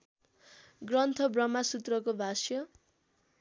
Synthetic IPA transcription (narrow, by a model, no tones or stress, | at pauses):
ɡrʌnt̪ʰʌbrʌmasut̪rʌkobʱasjʌ